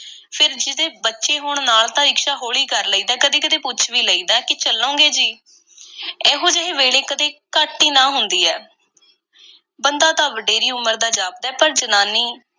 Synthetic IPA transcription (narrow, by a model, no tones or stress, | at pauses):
pʰɪɾd͡ʒɪd̪eːbətːʃeːɦoːɳ̃naːlt̪ãːɪkʃaːɦoːɭiːkəɾləiːd̪aːkəd̪iːkəd̪eːpʊt͡ʃʰʋiːləiːd̪aːkɪt͡ʃəlõːɡeːd͡ʒiː | ɛːɦõːd͡ʒəɦẽːʋeːɽeːkəd̪eːkaːʈːiːnãːɦʊnd̪iːɛː | bənd̪aːt̪ãːʋəɖeːɾiːʊməɾd̪aːd͡ʒaːb̚d̪ɛːpəɾd͡ʒənaːniː